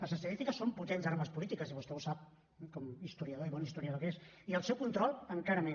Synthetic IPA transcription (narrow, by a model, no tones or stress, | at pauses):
ləzəst̪əðist̪ikəsomput̪enzaɾaməspulit̪ikəsiβust̪ɛusap̚ | kɔmist̪uɾiəðoiβɔnist̪uɾiəðokes | iəlˠsɛwkunt̪ɾɔlˠəŋkaɾəme